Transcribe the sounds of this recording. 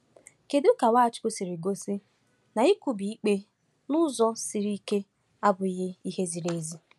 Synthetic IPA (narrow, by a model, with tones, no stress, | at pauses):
ke˨dʊ˦ʊ˦ka˨wa˦˨t͡ʃɪ̥˨˦kʊ˦si˨ɾi˨ɡo˦si˦ | na˨i˦ku˨bi˨i˦k͡pe˦ | nʊ˦zɔ˦si˨ɾi˦ke˦ | a˦bʊ˨i˦ɣɪ˦i˦he˦zi˨ɾe˦zi˦